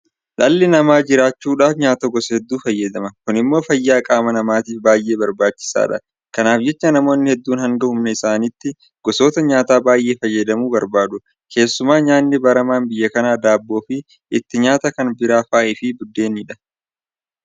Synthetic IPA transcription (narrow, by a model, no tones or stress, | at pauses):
ᶑɐlːɪnɐmaːd͡ʒɪɾaːt͡ʃːuːᶑaːfɲaːt̪ɐɡɔsɐhɛd̪ːuːfɐjːɐd̪ɐmɐkʊnɪmːo̞ːfɐjːaːkʼaːmɐnɐmaːt̪iːfbaːjʔe̞ːbɐɾbaːt͡ʃːɪ̥sa̰ːᶑɐ̰ | kɐnaːfd͡ʒɛt͡ʃːɐnɐmo̞ːnːɪhɛd̪ːuːnhɐŋɡɐhʊmnɐɪsaːnɪt̪ːɪ | ɡ̥ɔso̞ːt̪ɐɲaːt̪aːbaːjʔe̞ːfɐjːɐd̪ɐmuːbɐɾbaːd̪ʊ | kʰe̞ːsːʊmaːɲaːnːɪbɐɾɐmaːnbɪjːɐkɐnaːd̪aːbːo̞ːfɪ | ɪt̪ːɪɲaːt̪ɐkɐnbɪɾaːfaːɪfɪbʊd̪ːe̞ːniːᶑɐ̥